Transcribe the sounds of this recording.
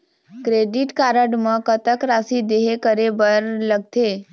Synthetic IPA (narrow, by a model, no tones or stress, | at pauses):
kɾeɖiʈkaɾəɖmə̃kət̪əkɾasid̪eɦekəɾebəɾləɡ̚t̪ʰe